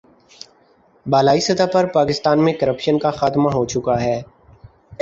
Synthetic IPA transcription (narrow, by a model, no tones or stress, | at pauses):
baːlaːisɐt̪apɐɾpaːkɪst̪aːnmẽkəɾəpʃənkaxaːt̪maɦot͡ʃʊkaɦɛː